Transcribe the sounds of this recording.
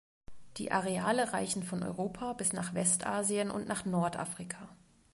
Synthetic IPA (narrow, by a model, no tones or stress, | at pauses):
d̥ḭːʔaʁeaːləʁaɪçn̩fɔnʔɔ̰ʏʁoːpʰabɪsnaːχv̥ɛstʔaːziənʔʊ̰ntnaːχnɔɐtʔa̰ːfʁ̥ikʰaː